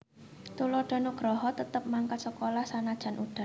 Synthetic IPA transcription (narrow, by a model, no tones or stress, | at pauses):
t̪ulɔɖ̥ɔ̤noɡ̥ɾɔɦɔt̪ət̪əp̚maŋkat̪səkolahsanad̥ʒ̥a̤nʔuɖ̥a̤